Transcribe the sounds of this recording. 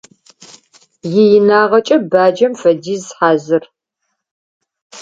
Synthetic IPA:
jɪjɪnaːʁɐt͡ʃʼɐbaːd͡ʒɐmfɐdiːzħaːzɨr

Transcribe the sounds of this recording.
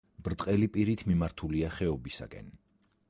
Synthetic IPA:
b̥ɾt̪ʼqʼɛlipʼiɾit̪ʰmimaɾt̪ʰuliaχɛɔbisa̰kʼɛ̰n

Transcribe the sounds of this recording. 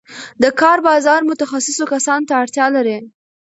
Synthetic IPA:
d̪əkɑɾbɑzɑɾmʊt̪axasɪsokasɑnt̪aːɽt̪jɑlaɾi

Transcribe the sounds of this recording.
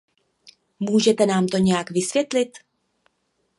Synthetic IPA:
muːʒɛt̪ɛnaːmt̪o̞ɲɛjakvɪsvjɛt̪lɪt̪

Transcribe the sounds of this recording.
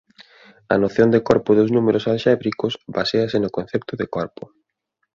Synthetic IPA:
ɐ̰noθjond̪ekɔɾpʊðʊznumeɾʊsalʃɛβɾikʊsbaseɐsenʊkon̟θɛp̚t̪ʊðekɔɾpʊ

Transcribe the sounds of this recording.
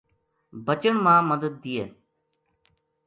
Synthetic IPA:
bət͡ʃəɳmãːməd̪əd̪̚ːijeː

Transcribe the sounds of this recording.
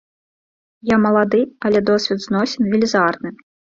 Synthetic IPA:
jamɐlˠad̪ɨɐlʲɛd̪ɔsʲvʲɛd̪znɔsʲɛnvʲilʲizarnɨ

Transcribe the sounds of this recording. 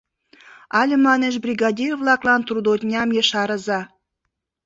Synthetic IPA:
ɑlʲəmɑneʒbrʲiɣɑd̪ʲirvlɑklɑnt̪rud̪ot̪ʲnʲɑmjəʃɑɾəzɑ

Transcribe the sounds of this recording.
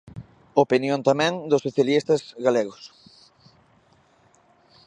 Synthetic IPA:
opinjõnt̪amɛ̃ŋd̪ʊsːoθjalist̪ɐzɣaleɣʊs

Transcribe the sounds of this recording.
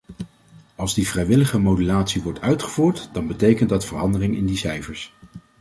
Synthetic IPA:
ɑlˠzdivrɛjʋɪləχəmowdylaːtsiʋɔɹtʰœɥtχəvuːɹtd̥ɑnbətejkəntdɑtfərɑndərɪŋɪ̰ndisɛjfəɹs

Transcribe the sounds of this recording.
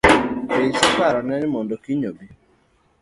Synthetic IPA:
esikaɾɔnɛnmondokiɲobi

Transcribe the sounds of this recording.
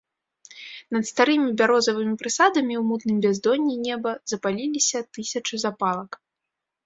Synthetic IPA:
nɐt̪st̪aɾɨmʲibʲaɾɔzɐvɨmʲipɾɨsad̪ɐmʲiwmut̪nɨmbʲazd̪ɔnʲːinʲɛbɐzɐpalʲilʲisʲɐt̪ɨsʲɐt͡ʂɨzapalˠɐk

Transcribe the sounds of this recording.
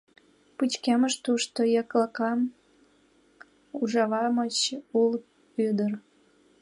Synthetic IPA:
put͡ɕkeməʃt̪uʃt̪ojɑklɑkɑm | uʒɑβɑmət͡ɕul | yd̪ər

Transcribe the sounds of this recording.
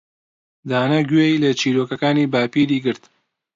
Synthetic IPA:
d̪aːnɐɡwejlɐt͡ʃʰiːɾoːkɐkaːniːbaːpiːɾiːɡɨɾt̪

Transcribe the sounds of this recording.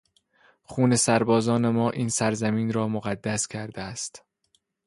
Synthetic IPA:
χuːne̞sæɾbɒːzɒːne̞mɒːʔiːnsæɾzæmiːnɾɒːmoɣæd̪ːæscʲʰæɾd̪eæst̪

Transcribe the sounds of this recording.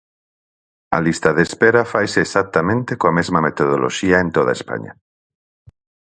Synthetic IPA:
ɐ̰list̪ɐðespeɾafajseːsak̚t̪amẽnt̪ekoamezmɐmet̪oðolʔo̰ʃiaent̪oða̰espa̰ɲa̰

